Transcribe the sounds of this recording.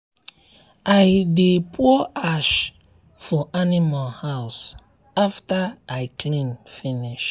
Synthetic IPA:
aɪdepʰuɔaʃ | fɔʔanimalhaʊs | aftaaɪkʰlĩnfiniʃ

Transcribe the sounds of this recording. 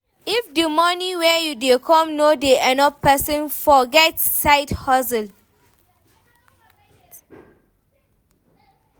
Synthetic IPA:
ifdimɔniwɛjudekʰɔ̃mnodeʔɛ̃nɔpːɛsɔ̃nfɔɡɛtsaɪthɔsəl

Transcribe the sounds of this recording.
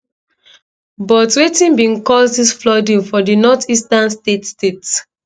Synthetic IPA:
bɔtwetĩnbĩŋkɔsdisflɔdĩŋfɔdinɔtistãnstetstets

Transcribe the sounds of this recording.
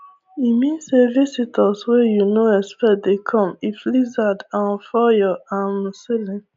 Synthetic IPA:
imĩnsevisitʰɔswejunoɛspɛt̚dekʰɔ̃miflizadãnfɔjɔãnsilĩn

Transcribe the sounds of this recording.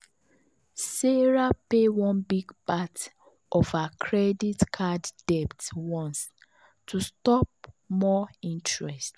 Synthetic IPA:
seɹapewɔ̃nbiɡpat | ʔɔfakʰɹɛditkʰadd̥ɛptwɔ̃ns | tustɔp̚mɔĩntɹɛst

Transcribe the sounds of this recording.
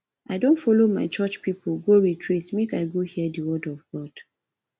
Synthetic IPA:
aɪdõntfɔloma̰ɪt͡ʃɔt͡ʃpipoɡoɹitʰɹitmekaɪɡohiədəwɔdɔvɡɔd̥

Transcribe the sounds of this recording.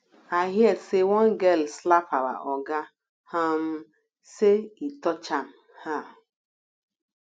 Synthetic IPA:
aɦjesewɔŋ̩ɡɛlslapaɾa̰ʔɔɡa | ham̩ | seitɔt͡ʃam̩ | ha

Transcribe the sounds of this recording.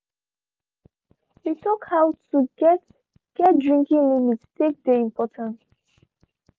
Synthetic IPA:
hitʰɔkhawtuɡɛt | ɡ̥ɛt̚dɹĩŋkĩŋlimitstek̚deĩmpɔtʰãnt

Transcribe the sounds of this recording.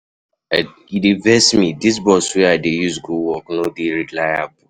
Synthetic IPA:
idevɛsmidis̬bɔswɛaɪdejuzɡuwɔknodeɾilaɪabu

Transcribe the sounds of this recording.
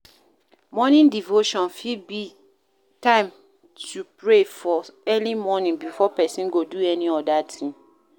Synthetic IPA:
mɔnĩndivoʃɔ̃nfibi | tãɪ̃m | tʰupɹefɔɛlimɔnĩnbifɔpɛsĩnɡoduɛniɔdatʰĩm

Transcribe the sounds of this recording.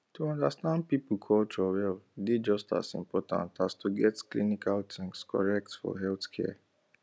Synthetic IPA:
tuɔ̃ndastãnd̚pipukʰɔlt͡ʃɔwɛldid͡ʒɔsta̰sḭ̃mpɔtã̰ntastʰuɡɛtklinikaltʰĩŋskʰɔ̰ɹɛk̚tfɔ̰ɦɛltkʰɛ̰

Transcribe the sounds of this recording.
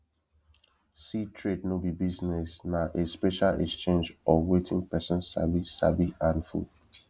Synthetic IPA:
sitʰɹednobibiznɛsnaʔespɛʃalɛ̰kst͡ʃẽnd͡ʒɔwetʰĩŋpɛsɔ̃nsa̰bisa̰biãnfṵd

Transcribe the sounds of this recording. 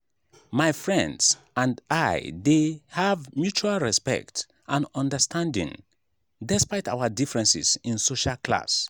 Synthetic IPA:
maɪfɹɛ̃ndz | ãndaɪdehavmjut͡ʃualˠɹɛspɛ̰k̚t | ʔãnɔ̃ndəstʰãndḭ̃ŋ | dɛspaɪtawədifɹɛ̃nsḭsĩnsoʃalkla̰s

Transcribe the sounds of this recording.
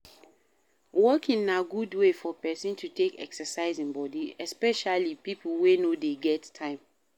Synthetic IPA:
wɔkĩnnaɡudwefɔpɛsĩntʰutʰekɛ̰ksəsaɪzĩnbɔdiɛspɛʃalipipwenodeɡɛttʰãɪ̃m

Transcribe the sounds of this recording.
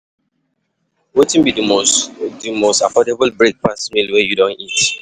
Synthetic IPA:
wetĩnbidumodimostafɔdebəlbɹek̚pasmilwɛjudõnit

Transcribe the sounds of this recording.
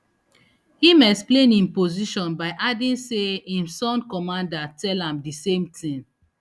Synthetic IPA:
himɛksplẽnĩmpoziʃɔ̃nbaɪʔadĩnseĩmsɔ̃nkɔmãndatɛlãmdisẽmtʰĩŋ

